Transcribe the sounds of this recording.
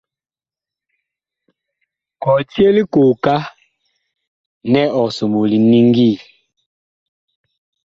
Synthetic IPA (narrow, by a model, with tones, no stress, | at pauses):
kɔ˨ti˦e˦li˦ko˨ka˦ | nɛ˦ɔ˨so˨mo˨li˨ni˦ŋɡi˦˨